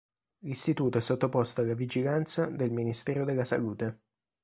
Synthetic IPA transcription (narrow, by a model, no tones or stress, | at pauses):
list̪it̪uːt̪oɛsːot̪ːopɔst̪oalːavid͡ʒilant̪sad̪elminist̪ɛːɾod̪elːasa̰luːt̪e